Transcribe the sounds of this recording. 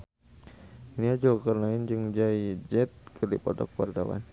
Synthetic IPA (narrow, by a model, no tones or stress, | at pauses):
niad͡ʒɔlkərnaɪnd͡ʒɨŋd͡ʒaid͡ʒɛt̪̚kʰɨrdipɔt̪ɔ̰k̚ard̪a̰wa̰n